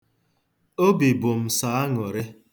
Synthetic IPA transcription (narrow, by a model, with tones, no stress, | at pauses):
o˦bi˨bʊ˨m̩˨sa˨˦a˦ŋɔ˨ɾɪ˦